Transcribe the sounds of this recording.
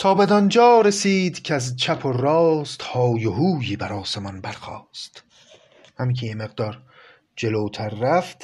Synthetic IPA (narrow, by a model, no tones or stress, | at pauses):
t̪ʰɒːbed̪ɒnd͡ʒɒːɾesiːd̪cʰeæzt͡ʃʰæpʰorɒːst̪hɒːjeɦuːjiːbæɾɒːsemɒnbæɾxɒ̰ːst̪ | hæmikʲʰejemeɣd̪ɒːɾ | d͡ʒe̞loːt̪ʰæɾːæft̪